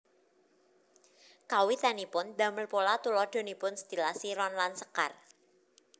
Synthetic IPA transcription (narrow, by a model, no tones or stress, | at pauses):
kawit̪anipʊnd̪a̤məlpolat̪ulɔd̪̥o̤nipʊnsət̪ilahsiɾɔnlansəka̰r